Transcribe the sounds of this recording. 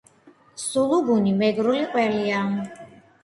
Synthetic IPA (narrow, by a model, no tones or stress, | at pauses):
sulˠuɡunimɛɡɾuliqʼwɛlia